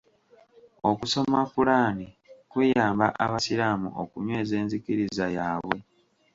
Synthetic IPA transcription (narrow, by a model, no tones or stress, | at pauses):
o̞kuso̞mafulaːni | kweːjaːmbaʔaβasiɾaːmṵʔo̰kuɲwe̞ːze̞ːnzikiɾizajaːβwe̞